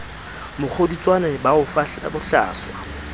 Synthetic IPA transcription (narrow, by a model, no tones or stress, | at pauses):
mʊk͡xʰodit͡sʼwanabaʊfa̰bʊɬa̰ːswa